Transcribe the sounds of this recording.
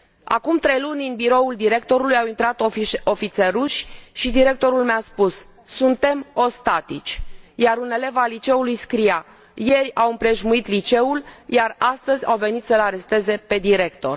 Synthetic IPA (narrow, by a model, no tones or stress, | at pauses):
a̰kumt̪ɾe̞jlunʲɨnbiɾo̞uld̪iɾe̞k̚t̪o̞ɾulujawint̪ɾat̪oo̞fit̪seruʃʲʃid̪iɾe̞k̚t̪o̞ɾulmeaspusː | unt̪e̞mo̞st̪at̪it͡ʃʲjaɾune̞le̞valit͡ʃe̞ulujskɾija | je̞rʲawɨmpɾe̞ʒmuit̪lit͡ʃe̞uljarast̪əzʲawve̞nit̪səlaɾe̞st̪e̞ze̞pe̞d̪iɾe̞kt̪o̞̰r